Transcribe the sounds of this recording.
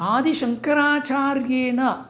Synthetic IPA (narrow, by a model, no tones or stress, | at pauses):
aːd̪iʃɐŋkɐɾaːt͡ʃaːrjeːnɐ